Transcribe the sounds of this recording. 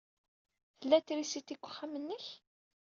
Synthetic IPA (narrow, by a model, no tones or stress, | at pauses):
θəlːæt̪ːɾisit̪ːikʷːə̥χːamənːəç